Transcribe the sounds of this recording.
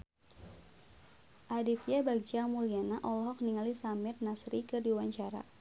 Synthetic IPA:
ʔadit̪jabaɡ̚d͡ʒamulianaʔɔlɔɦɔk̚niŋalisamɪrnasɾikɨrdiwaɲt͡ʃaɾa̰

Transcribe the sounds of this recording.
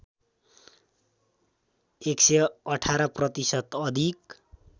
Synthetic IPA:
ekseʌʈʰaɾʌprʌt̪isʌt̪ʌd̪ʱik

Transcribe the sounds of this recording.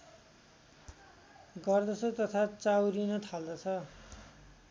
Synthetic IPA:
ɡʌrd̪ʌsʰot̪ʌt̪ʰat͡sawɾinʌt̪ʰald̪ʌt͡sʰʌ

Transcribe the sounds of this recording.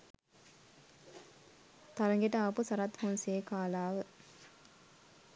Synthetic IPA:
t̪aɾɐŋɡeʈəapusɐɾat̪honseekaːlaːʋə

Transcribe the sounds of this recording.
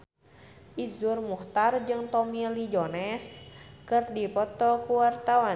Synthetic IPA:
ʔizurmuht̪ard͡ʒɨŋt̪ɔmilid͡ʒɔnɛskɨrdipɔt̪ɔkuwart̪awa

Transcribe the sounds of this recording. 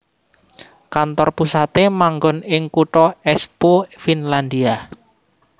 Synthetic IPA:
kant̪ɔrpusat̪emaŋɡɔnɪŋkuʈɔɛspofinland̪ia

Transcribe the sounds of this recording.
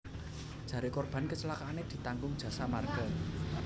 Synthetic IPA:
d̥ʒ̥ä̤ɾekɔrb̥a̤nkət͡ʃəlakaːned̪̥i̤t̪aŋɡʊŋd̥ʒ̥ä̤samarɡə

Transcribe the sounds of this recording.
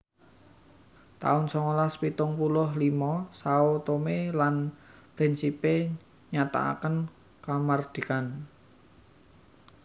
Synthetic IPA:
t̪a̰ʊnsɔŋolaspit̪ʊŋpulʊhlimɔsaot̪omelanpɾɪnsipe | ɲat̪a̰a̰kən | kamard̪̥i̤kan

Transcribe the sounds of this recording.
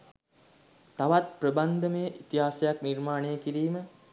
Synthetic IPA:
t̪aʋat̪̚prəband̪ʱəməjəʔit̪iɦaːsejaknirmaːnejəkiɾiːmə

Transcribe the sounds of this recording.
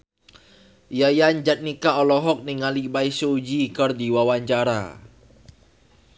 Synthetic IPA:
jajaɲd͡ʒat̪̚nikaɔlɔɦɔk̚niŋalibaisoud͡ʒikərdiwawaɲt͡ʃaɾa̰

